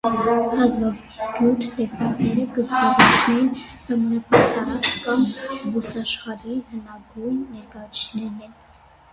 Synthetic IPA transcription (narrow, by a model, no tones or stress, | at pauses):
hɑzvɑv | ɡjuɾɾʰt̪ɛsɑŋɡnɛɾəɡəzbɑɾit͡ʃʰnɛinsɑmɑnɑpʰɑkt̪ɑɾɑt͡skɑnbusɑʃχɑɾiɦənɑɡujnːɛɾkɑjɑt͡sʰt͡ʃnɛɾnɛn